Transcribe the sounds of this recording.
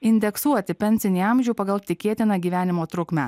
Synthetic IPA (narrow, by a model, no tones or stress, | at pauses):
ɪnʲd̪ʲɛksuɔt̪ʲɪpʲɛnʲsʲɪnʲiːɑmʲʒʲuʊpɐɡɐlˠt̪ʲɪkʲeːt̪ʲɪnɑɡʲiːʋʲæːnʲɪmoːt̪ɾʊkmʲæ